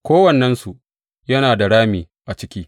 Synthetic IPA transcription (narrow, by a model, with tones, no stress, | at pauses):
kʷoː˦wɐ˨nːɛ˦nsu˨ʔ | jɐ˦naː˨da˨ɽaː˦miː˨ | ʔa˨t͡ʃɪ˦kʲiː˦